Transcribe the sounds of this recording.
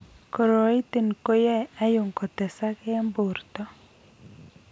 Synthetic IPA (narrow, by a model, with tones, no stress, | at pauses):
kɔ˨ɾo˨i˦t̪e˨nko˦jɛ˦a˦jo˨ŋkɔ˨t̪ɛ˨sa˦kɛ˦a˦mbo˨rt̪ɔ˦